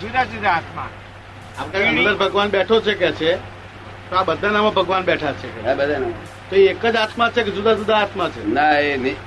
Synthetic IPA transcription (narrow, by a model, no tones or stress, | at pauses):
d͡ʒud̪ad͡ʒud̪aat̪ma | apkanməd̪əɾbʱəɡʋanbɛʈʰot͡ʃʰekɛt͡ʃʰe | t̪oabəd̪ʱanamãbʱəɡʋanɓɛʈʰat͡ʃʰekɛbəd̪ʱanam | t̪oeekəd͡ʒat̪mat͡ʃʰeked͡ʒud̪ad͡ʒud̪aːt̪mãt͡ʃʰenaeni